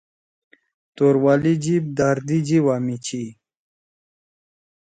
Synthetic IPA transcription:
t̪oɾwalid͡ʑib̚d̪aɾd̪id͡ʑiwamit͡ɕʰi

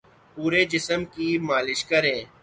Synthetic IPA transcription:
puːɾed͡ʒɪsəmkimaːlɪʃkəɾẽː

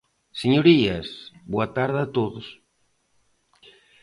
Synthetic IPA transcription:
səɲuɾiəsboat̪aɾðət̪oðos

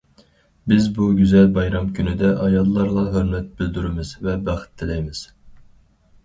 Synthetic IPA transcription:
bɪzbuɡʲyzɛlbɑjɾɑmkʲʰynɪd̪ɛʔɑjɑlˠlˠɑɾlˠɑɦøɾmɛt̪̚bɪld̪yɾɪmɪz̥vɛbæχɪ̥t̪ʰːɪlɛjmɪz̥

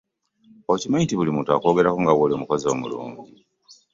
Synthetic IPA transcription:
ocimaintiβulimuːntua̰ko̞ːɡe̞ɾakuŋɡawoliomukozomṵlṵːɲɟi

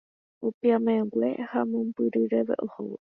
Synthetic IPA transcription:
upiamaeɡʷehamõmpɨɾɨɾeʋḛʔoho̰

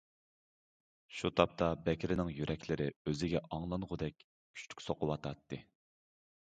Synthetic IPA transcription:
ʃut̪ʰɑp̚t̪ʰɑbɛkʲɾɪnɪŋjyɾʔɛkʲʰlɪɾɪøzɪɡʲɛʔɑŋlˠɑnʁʊd̪ɛkʲ | kʲʰy̥t͡ʃt̪ʰy̥kʲsoqʰʊwɑt̪ʰɑt̪ːɨ

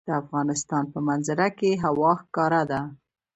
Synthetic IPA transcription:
d̪̥əafɣɑnɪst̪ɑnpəmanzɪɾakeɦawɑxkɑɾad̪a

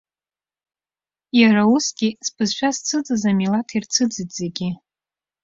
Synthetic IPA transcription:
jaɾausɡʲispʰɨzʃᶣast͡sʰɨd͡zɨzamilatʰirt͡sʰɨd͡zɨdz̥eɡʲi

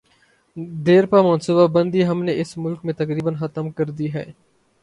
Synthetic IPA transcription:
d̪eːɾpaːmənsubabə̃nd̪iːɦəmneʔɪsmʊlkmẽːt̪əkɾiːbənxət̪əmkəɾd̪iːɦɛː

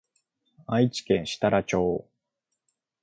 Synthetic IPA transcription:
ait͡ɕi̥kẽ̞ɰ̃ɕi̥t̪aɾat͡ɕoː

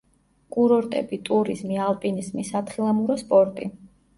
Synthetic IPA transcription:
kʼuɾɔɾt̪ʼɛ̰bit̪ʼuɾizmialˠpʼinizmisat̪ʰχilˠamuɾɔspʼɔɾt̪ʼi

